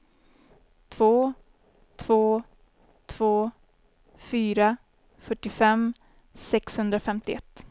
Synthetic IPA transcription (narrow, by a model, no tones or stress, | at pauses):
t̪ʰv̥oː | t̪ʰv̥oː | t̪ʰv̥oː | fyːɾa | fœʈːɪfɛm | sɛkshɵnd̪ɾafɛmt̪ɪʔɛ̰t̪ː